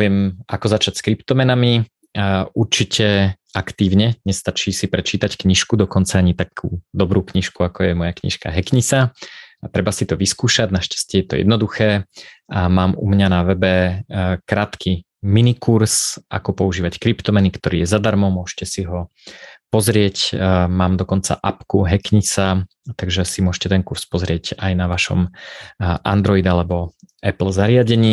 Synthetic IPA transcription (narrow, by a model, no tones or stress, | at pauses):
ɪɛmʔakɔzat͡ʃacskɾipt̪ɔmɛnami | uɾt͡ʃicʰɛ | akt̪iːʊɲɛɲɛst̪at͡ʃiːsipɾɛt͡ʃiːt̪ackɲiʃkud̪ɔkɔnt͡saaɲit̪akʰuːd̪ɔbɾuːkɲiʃkuakɔjɛmɔjakɲḭʃka̰ɦɛkɲisat̪ɾɛbasit̪ɔʋiskuːʃaɟnaʃcḁscɪɛjɛt̪ɔ̰jɛ̰d̪nɔd̪uxɛː | maːmṵmɲanaʋɛbɛkɾaːt̪kʰi | minikuɾsʔa̰kɔpɔuʒiːʋackɾipt̪ɔmɛnikt̪ɔɾiːjɛzad̪aɾmɔmʊɔʒcɛsiɦɔ | pɔzɾɪɛcmaːmd̪ɔkɔnt͡sa̰ʔapkuɦɛkɲit͡sa | t̪aɡʒɛsimʊɔʒcɛt̪ɛnkuɾspɔzɾɪɛɟajnaʋaʃɔ̰m | ʔa̰nd̪ɾɔid̪alɛbɔ | ɛpl̩zaɾɪaɟɛɲiː